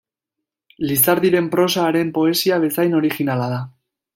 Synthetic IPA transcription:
lisaɾðiɾe̞mpɾo̞saːɾe̞mpo̞e̞siaβe̞sajno̞ɾixinalað̞a

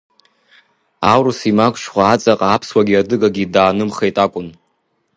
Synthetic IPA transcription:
awɾusimakʷʰʼʃχʷaːt͡sʼaqʼaːpʰswaɡʲiadɨɡaɡʲidaːnɨmχejtʼakʷʼʊn

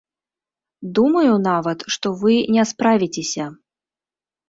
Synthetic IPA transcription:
d̪umɐjunavɐt̪ʂt̪ɔvɨnʲɛspɾavʲit͡sʲesʲɐ

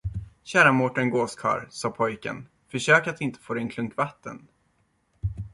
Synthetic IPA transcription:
ɕæːɾamɔʈːənɡoːskʰɑ̰ːɾsɑːpʰɔjkə̰n | fœʂøːkat̪d̪ɪnt̪ʰə̥foːɾɛnkʰlɵŋkvat̪ːə̰n

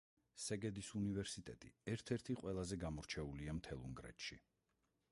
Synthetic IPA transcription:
sɛɡɛd̪isunivɛɾsit̪ʼɛt̪ʼḭɛɾt̪ʰɛɾt̪ʰiqʼwɛlˠazɛɡamɔɾt͡ʃʰɛuliamt̪ʰɛlˠṵŋɡɾɛ̰t̪ʃḭ

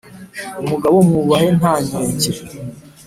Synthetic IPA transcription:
umuɡaβomuβahe̞nhaːɲeːɲɟe

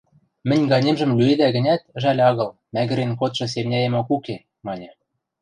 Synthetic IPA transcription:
mɘ̆nʲɡɑnʲemʒɘ̆mlʲyed̪æɣɘ̆nʲæt̪̆ʒælʲɑɣɤ̆l | mæɣɘ̆ɾenkot̪ʃɤ̆s̬emnʲæjĕmokuke | mɑnʲɤ̆

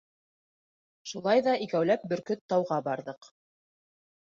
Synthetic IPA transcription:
ʃulˠɑjðɑʔikæwlæp̚bɵ̆ɾkɵt̪ːɑwʁɑbɑɾðɤq

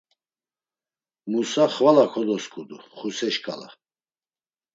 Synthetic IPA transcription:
musaχvalakʰɔd̪ɔskʼud̪uχusɛʃkʼa̰la̰

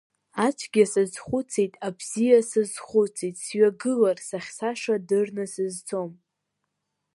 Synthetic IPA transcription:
at͡ʃʷʰɡʲasɨzχʷʊt͡sʰejtʼabz̥ijasɨzχʷʊt͡sʰejtʼsɥaɡɨlarsaχʲsaʂadɨrnɨsɨzt͡sʰo̞m

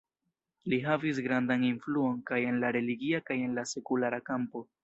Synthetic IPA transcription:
liɦavis̬ɡɾandaninfluo̞nkaje̞nlaɾe̞liɡiakaje̞nlase̞kulaɾakampo̞

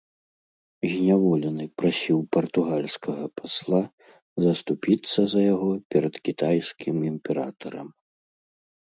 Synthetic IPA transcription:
zʲnʲavɔlʲɛnɨpɾasʲiwpɐrt̪uɣalʲskʰɐɣɐpʰaslˠa | zɐst̪upʲit̪sːɐzɐjaɣɔpʲɛɾɐd̪kʲit̪ajskʲimimpʲɛɾa̰t̪ɐɾɐm

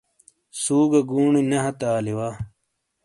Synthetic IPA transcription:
suːɡɐɡuːɳinɐɦɐt̪aːliwaː

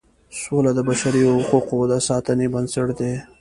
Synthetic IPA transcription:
solad̪əbaʃaɾihʊquqod̪asɑt̪ənebansəʈd̪e

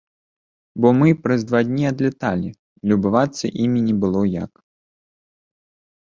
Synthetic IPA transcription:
bɔmɨpɾɐzd̪vad̪ʲnʲiɐd̪lʲɛt̪alʲi | lʲubɨvat̪sːɐʔimʲinʲɛbɨlˠɔja̰k

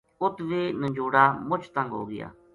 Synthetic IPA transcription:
ʊt̪ʋenə̃ɲd͡ʒuːɽaːmʊt͡ʃʰt̪ãŋɡo̰ːɡɪ̰ja̰ː

